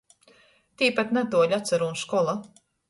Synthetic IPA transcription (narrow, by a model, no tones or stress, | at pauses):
t̪iːpat̪nat̪uɔʎʲat̪saɾuːnskɔlˠa